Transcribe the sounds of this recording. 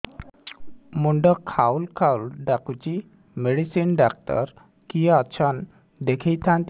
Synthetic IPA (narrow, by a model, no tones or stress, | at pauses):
muɳɖɔkʰawlkʰawlɖakut͡ʃi | meɽisinɖak̚ʈɔ̰ɾ | kijaːt͡ʃʰɔn | d̪ekʰejt̪ʰãnt̪